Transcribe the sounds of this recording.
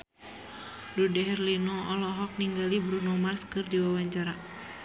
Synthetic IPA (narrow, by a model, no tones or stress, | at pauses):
ludɛɦɛrlinɔɔlɔɦɔk̚niŋɡalibɾunɔmarskɨrdiwawaɲt͡ʃaɾa